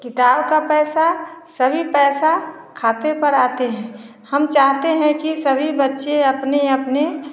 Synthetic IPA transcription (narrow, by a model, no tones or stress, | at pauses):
kɪt̪aːbkapɛːsasəbʱipɛːsa | kʰaːt̪epəɾaːt̪eɦɛ̃ː | hɐmt͡ʃaːɦt̪eɦɛ̃kisəbʱibətːʃeɐpneɐpne